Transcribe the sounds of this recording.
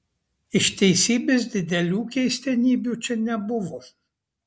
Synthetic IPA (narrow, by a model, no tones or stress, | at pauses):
ɪʃt̪ʲɛɪsʲiːbʲeːsd̪ʲɪd̪ʲɛlʲuːkʲɛɪsʲt̪ʲɛnʲiːbʲuːt͡ʃʲɛnʲɛbʊʋoː